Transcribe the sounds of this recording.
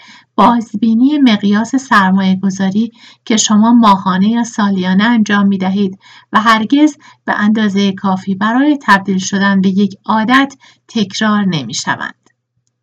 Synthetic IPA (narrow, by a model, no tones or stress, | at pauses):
b̥ɒːzbiːniːemeɣjɒːse̞sæɾmɒːje̞ɡo̞zɒːɾiː | cʰe̞ʃo̞mɒːmɒːɦɒːne̞jɒːsɒːlijɒːneænd͡ʒɒːmːiːd̪æɦiːd̪ | væɦæɾɟe̞z | b̥ḛʔænd̪ɒːzejekʰɒːfiːbæɾɒːje̞t̪ʰæb̚d̪iːlʃo̞d̪ænbe̞je̞cʰɒːd̪æt̪ʰː | e̞cʰɾɒːɾne̞miːʃæ̰væ̰nd̪̥